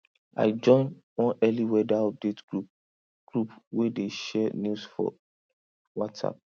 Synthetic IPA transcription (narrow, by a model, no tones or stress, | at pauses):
a̰ɪd͡ʒɔ̃ɪ̃n | wɔ̃nɛliwɛdaɔp̚det | ɡ̥ɹupwedeʃɛnusfɔ̰ | wɔtsa̰p̚